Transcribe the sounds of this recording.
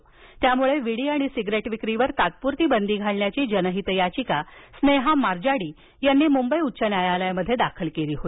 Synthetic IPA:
t̪jamuɭeʋiɽiːaɽ̃isiɡɾeʈʋikɾiʋəɾt̪at̪̚puɾt̪iːbənd̪iːɡʱaɭɳjat͡ɕiːd͡ʑənəɦit̪əjat͡ɕikasneɦamaɾd͡ʑaɽiː | janːiːmumbəjutːɕənjajaləjməd̪ʱːjed̪akʰəlkeliːɦoi

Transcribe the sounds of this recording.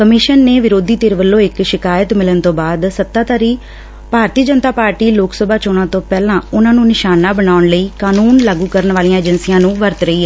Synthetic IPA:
kəmɪʃənːeːʋɪɾoːd̪iːt̪eːɾʋəlːõːɪkʃɪkaːjət̪mɪlənt̪õːbaːd̪sət̪ːaːt̪aːɾiː | bʱaːɾt̪iːd͡ʒənt̪aːpaːɾʈiːloːksəbʱaːt͡ʃoːɽ̃nãːt̪õːpɛːlãːʊnãːnũːnɪʃaːnaːbənaːʊɳləiːkaːnuːnlaːɡuːkəɾənʋaːlijãːɛːd͡ʒənsijãːnũːʋəɾt̪ɾəiːɛː

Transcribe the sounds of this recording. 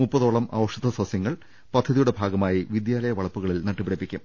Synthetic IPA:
mupːɐðo̞ːɭɐmʔa̰ːʋɐʂɐðɐswɐsjɐŋːɐɭ | pɐd̪ʱːɐðijuɽe̞bʱaːɡɐmaːjiʋid̪jaːlɐjɐʋɐɭɐpːuɣɐɭilnɐʈːupiɽɐpːikʲːum

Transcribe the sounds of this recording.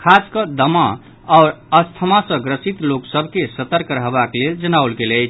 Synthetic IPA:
kʰaskəd̪əma | aʊɾəst̪ʰəmasə̃ɡɾəsit̪loksəbʱkesət̪əɾkɾəɦbakleld͡ʒənawlɡeləjt͡ʃʰ

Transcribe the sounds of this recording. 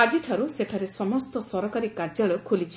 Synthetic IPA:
ad͡ʒiʈʰaɾuseʈʰaɾesɔmɔst̪ɔsɔɾɔkaɾikaɾd͡ʒaɭɔkʰulit͡ʃʰi̥

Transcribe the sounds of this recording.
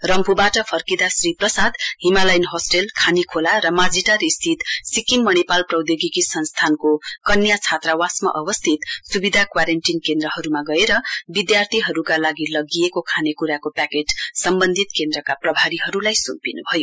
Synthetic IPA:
rʌmpʰubaʈʌpʰʌrkid̪asriprʌsad̪ɦimalʌjnɦosʈelkʰanikʰolaɾʌmad͡ziʈaɾist̪ʰit̪sikiŋmʌnepalprʌwd̪joɡikisʌnst̪ʰankokʌnjat͡sʰat̪rawasmʌ̰ʔʌbʌst̪ʰit̪subid̪ʱakwaɾenʈinkend̪rʌɦʌɾumaɡʌeɾʌbid̪jart̪ʰiɦʌɾukalaɡilʌɡijekokʰanekuɾakopakeʈsʌmbʌnd̪ʱit̪kend̪rʌkaprʌbʱaɾiɦʌɾulajsumpinubʱʌjo

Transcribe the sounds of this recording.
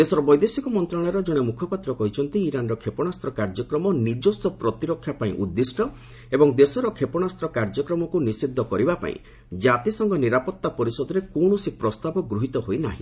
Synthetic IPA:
d̪esɔɾɔbɔjd̪esikɔmɔnt̪ɾaɭ̃ɔɾɔd͡ʒɔɽ̃emukʰɔpat̪ɾɔkɔɦit͡ʃʰɔnt̪iːɾanɾɔkʰepɔɽ̃ast̪ɾɔkaɾd͡ʒɔkɾɔmɔnid͡ʒɔst̪ɔpɾɔt̪iɾɔkʰːjapaĩʔud̪ːisʈɔ | ebɔŋd̪esɔɾɔkʰepɔɽ̃ast̪ɾɔkaɾd͡ʒɔkɾɔmɔkunisid̪ʱːɔkɔɾibapa̰ḭ̃ | d͡ʒat̪isɔŋɡɔniɾapɔt̪ːapɔɾisɔd̪ɔɾekoɽ̃usipɾɔst̪abɔɡɾuɦit̪ɔɦoina̰ɦḭ̃

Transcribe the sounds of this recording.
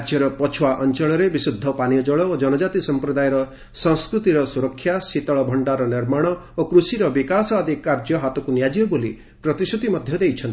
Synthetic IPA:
ad͡ʒjɔɾɔpɔt͡ʃʰuwaʔɔnt͡ʃɔɭ̃ɔɾebisud̪ʱːɔpanijɔd͡ʒɔɭɔod͡ʒɔnɔd͡ʒat̪isɔmpɾɔd̪ajeɾɔ | sɔŋskɾut̪iɾɔsuɾɔkʰːjasit̪ɔɭɔbʱɔɳɖaɾɔniɾmaɽ̃ɔokɾusiɾɔbikasɔad̪ʱikːaɾd͡ʒjɔɦat̪ɔkunjad͡ʒijɔboli | pɾɔt̪isut̪imɔd̪ʱjɔd̪ejt͡ʃʰɔnt̪i

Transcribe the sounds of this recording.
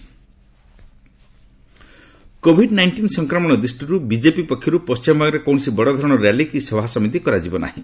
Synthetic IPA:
kobʱiɖnajɳʈinsɔŋkɾɔmɔɽ̃ɔd̪ɾisʈiɾubid͡ʒepipɔkʰːjɔɾupɔst͡ʃimɔbaɡɾekowɳsibɔɽɔd̪ʱɔɾɔɽ̃ɔɾjalikisɔbʱasɔmit̪ikɔɾad͡ʒibɔna̰ɦĩ

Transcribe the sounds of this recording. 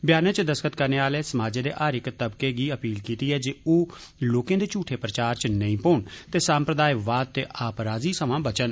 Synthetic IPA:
bjaːnət͡ʃd̪əskət̪kəɾneːaːleːsəmaːd͡ʒẽːd̪ḛːʔaːɾɪkt̪əbkeːɡiːəpiːlkiːt̪iːɦɛːd͡ʒeoːloːkẽːd̪eːt͡ʃuːʈʰeːpɾət͡ʃaːɾt͡ʃnəĩːpoːɳt̪eːsãːmpɾəd̪aːjʋaːd̪̚t̪eːʔaːpɾaːziːsəmãːbət͡ʃən

